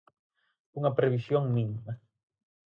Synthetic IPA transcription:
uŋɐpɾeβisjoŋmĩŋmɐ

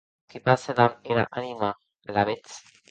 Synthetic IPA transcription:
kipaselameɾa̰ʔanima | laβet͡s

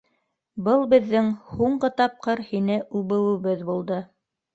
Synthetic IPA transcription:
bɤlˠbɘ̆ðːɘŋhuɴɢɤt̪ɑp̚qɤɾhinɘʔuβɘ̆wɘ̆βɘðbulˠd̪ɤ

